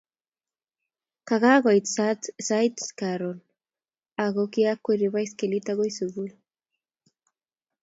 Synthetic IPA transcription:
kaɣaɣojt̪sat̪sajt̪skaɾon | aɣokiakːeɾiβajskelit̪aɣojsuβul

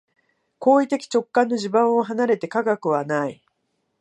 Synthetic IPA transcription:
ko̞ːit̪e̞kʲi̥t͡ɕo̞kːãnːo̞ʑibãɰ̃o̞ɦanaɾe̞t̪e̞kaɡakɯ̟βanai

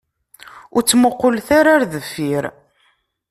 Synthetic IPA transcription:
ʊɾt͡sːməqːolθaɾaɾðəfːiɾ

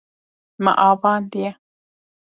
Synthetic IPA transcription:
mã̰ʔaβãːnd̪ia

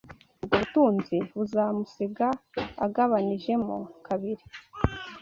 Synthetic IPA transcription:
ubɡoβutuːnziβuzaːmusiɡaa̰ɡaβaniʒe̞mṵkʰaβiɾi̥

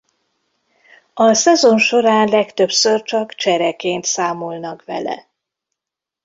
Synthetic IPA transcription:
ɒsɛzo̞nʃo̞ɾaːnlɛkt̪øpsørt͡ʃɒkt͡ʃɛɾɛkeːnt̪saːmolnɒkʋɛ̰lɛ̰

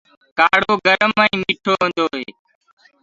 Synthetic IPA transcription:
kaːɽoːɡəɾəmaːĩːmiːʈʰoːɦə̃ːnd̪oːɦeː

